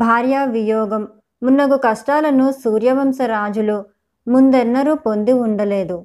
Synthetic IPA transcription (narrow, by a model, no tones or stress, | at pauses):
bʱaːɾjaʋijɔːɡɐmː | unːɐɡukɐʂʈaːlɐnusuːɾjɐʋɐmsɐɾaːd͡ʒulu | mund̪ɛnːɐɾupo̞nd̪iuɳɖɐle̞ːd̪u